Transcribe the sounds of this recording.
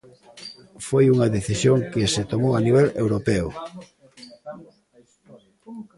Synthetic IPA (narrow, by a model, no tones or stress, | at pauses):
fojuŋɐðeθisjoŋkɪsɪt̪omowaniβ̞ɛlewɾopeʊ